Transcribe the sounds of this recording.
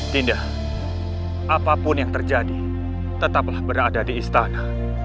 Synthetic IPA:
t̪indah | apapʊnjaŋt̪ərd͡ʒadi | t̪ət̪aplahbəɾadadiːst̪ana

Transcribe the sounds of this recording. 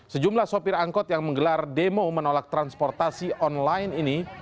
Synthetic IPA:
səd͡ʒumlahsopɪraŋkɔt̪jaŋməŋɡəlardemomənolak̚t̪ɾanspɔrt̪asiʔɔnlajnini

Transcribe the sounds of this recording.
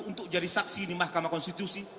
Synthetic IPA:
unt̪ʊk̚d͡ʒadisaksinimahkamakɔnst̪it̪usi

